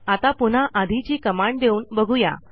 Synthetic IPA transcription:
at̪apun̤aʔad̪ʱit͡ɕiːkəmaɳd̪euːnbəɡʱuja̰

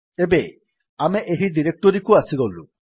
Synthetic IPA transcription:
ebe | ameʔeɦiɖiɾek̚ʈɔɾikuasiɡɔlu

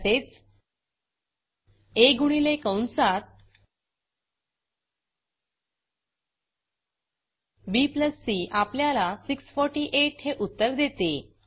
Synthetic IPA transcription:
set͡s | eɡuɽ̃ilekəwnsat̪̚ | bipləsːiːʔapljalasiksfɔɾʈiʔeʈheʔut̪ːəɾd̪et̪e

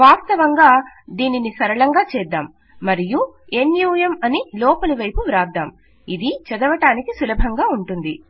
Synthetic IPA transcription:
ʋaːst̪ɐʋɐŋɡaː | d̪iːninisɐɾɐɭɐŋɡaːt͡ʃɛːd̪ːaːmː | ɐɾijuenjuːjɐmɐnilɔːpɐlɐʋɐjpuɾaːd̪aːm | id̪it͡ʃɐd̪ɐʋɐʈaːnikisulɐbʱɐŋɡaːuɳʈund̪i

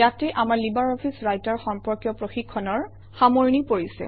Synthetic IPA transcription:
jatɛʔamaɹlibaɹɔpʰisɹajtaɹxɔmpɔɹkjɔpɹoxikʰːɔnɔɹ | xamoɹnipoɹisɛ̰

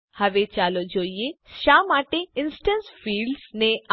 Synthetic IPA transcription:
hɐʋet͡ʃaːlod͡ʒoːieʃaːmaːʈeɪ̃nsʈə̃nsfiːlɖsne

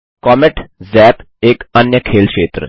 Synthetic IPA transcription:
kɔːmeʈzɛːt̪ | eːkɐnjəkʰeːlkʃeːt̪ɾə̰

